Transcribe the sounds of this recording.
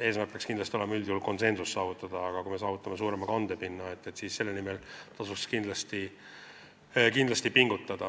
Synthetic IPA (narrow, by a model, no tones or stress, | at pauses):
eːsmærk̚peɑkskind̪lɑst̪ioemɑyld̪iulko̞nse̞nsusːɑːvut̪ˑːɑd̪̥ɑːɡ̥ɑkuime̞sɑːvut̪ːˑɑmes̬uːɾemɑkɑnd̪e̞pinːɑe̞t̪ˑːet̪siːsse̞lːenimelt̪ɑsukskind̪lɑst̪i | kind̪lɑst̪ipiŋɡut̪ˑːɑd̪̥ɑ